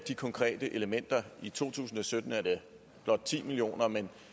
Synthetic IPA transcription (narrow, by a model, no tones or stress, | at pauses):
d̥ikʰɒ̽ŋkʰʁɛ̰ːd̥əʔe̝ləmen̰d̥ɐit͡sʰo̝̰ːt͡sʰṵːsn̩ɒ̽sød̥n̩æɐde | b̥lɒ̽d̥̚t͡sʰḭːmilio̝̰ːnɐmen